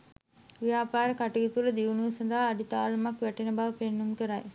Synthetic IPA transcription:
ʋijaːpaːɾəkaʈiɡit̪uɾəd̪iʋunuʋsɐd̪aɦːɖit̪aːlɐmakʋæʈenəbaʋəpenːumkəɾaj

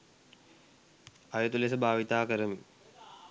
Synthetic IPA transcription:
ajut̪ulesəbʱaːʋit̪aːkəɾəmi

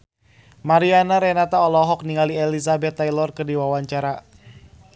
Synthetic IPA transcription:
maɾianaɾɛnat̪aɔlɔɦɔk̚niŋaliɛlisabɛt̪ːajlɔrkərdiwawaɲt͡ʃaɾa

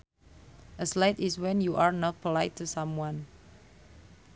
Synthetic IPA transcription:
ʔəslajtiswɛ̃njuʔaɹnɔt̚pʰɔlaɪjtʰːusãmwãn

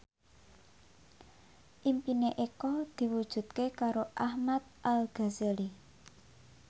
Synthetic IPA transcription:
ʔimpineʔekɔd̪̥i̤wud̥ʒ̥ṳt̪̚kekaɾoʔahmat̪̚ʔalɡ̥a̤zeli

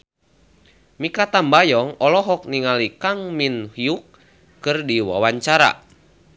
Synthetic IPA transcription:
mikat̪ambajɔŋɔlɔɦɔk̚niŋalikaŋminhiukː | ɨrdiwa̰waɲt͡ʃaɾa̰

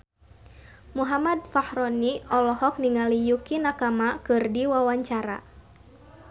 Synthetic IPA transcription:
muɦamad̚fahɾɔniɔlɔhɔk̚niŋalijukinakamakɨrdiwawaɲt͡ʃaɾa̰

